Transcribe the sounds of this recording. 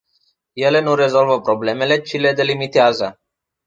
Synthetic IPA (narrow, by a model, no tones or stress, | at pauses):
jele̞nuɾezolvəpɾoblemelet͡ʃiled̪elimit̪eazə